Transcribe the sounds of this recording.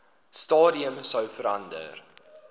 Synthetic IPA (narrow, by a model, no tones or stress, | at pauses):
stɑːdiəmsəwfəɾɐndə̰r